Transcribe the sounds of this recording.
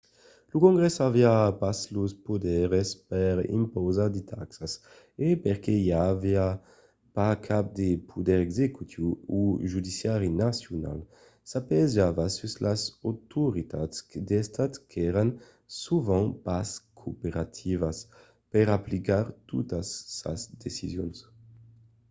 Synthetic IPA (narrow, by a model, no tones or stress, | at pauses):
lukoŋɡɾɛsaviapasluspod̪ɛɾespɛɾḭmpowzad̪it̪ʰaksas | epeɾkejavia | pakʰap̚d̪epʰud̪ɛɾɛɡzekut̪ʰiuuʒud̪isjaɾinasjona̰l | sapezavasuslasot̪uɾit̪at̪skd̪est̪at̪kɛɾan | suvãŋpaskʰopeɾat̪ʰivas | pɛɾaplikaɾt̪ṵt̪asːa̰zd̪esizjons